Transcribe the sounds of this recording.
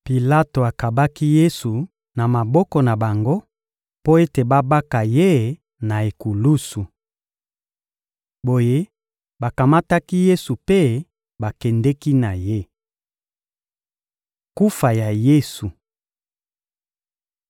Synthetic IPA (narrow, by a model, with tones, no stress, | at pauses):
pi˨la˦to˨a˨ka˨ba˦ki˦je˦su˨ | na˨ma˨bɔ˦kɔ˨na˨ba˨ŋɡo˦ | po˦e˦te˨ba˦ba˦ka˨je˦ | na˨e˨ku˨lu˦su˨ | bo˨je˦ | ba˨ka˨ma˦ta˦ki˦je˦su˨pe˦ | ba˨kɛ˨ndɛ˦ki˦na˨je˦ | ku˦fa˨ja˨je˦su˨